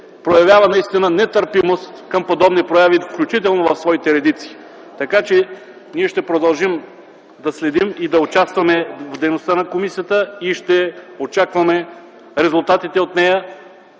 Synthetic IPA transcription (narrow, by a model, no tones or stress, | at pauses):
pɾojɐvʲjavɐnɐist̪inənɛt̪əɾpimost̪kɐmpod̪ɔbnipɾojavifklʲut͡ʃit̪ɛlˠnovɐfsvɔit̪ɛɾɛd̪it̪si̥ː | t̪ɐkat͡ʃɛ | niɛʃt̪ɛpɾod̪ɐlˠʒim | d̪ɐslɛd̪imid̪ɐot͡ʃast̪vɐmɛvd̪ɛjnost̪anɐkomisijət̪əiʃt̪ɛot͡ʃakvɐmɛ | ɾɛzʊlˠt̪at̪it̪ɛot̪nɛjə